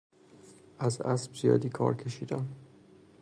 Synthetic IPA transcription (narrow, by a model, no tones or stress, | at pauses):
ʔæzæsbzijɒ̰ːd̪iːkʰɒ̰ːɾcʰe̞ʃiːd̪æm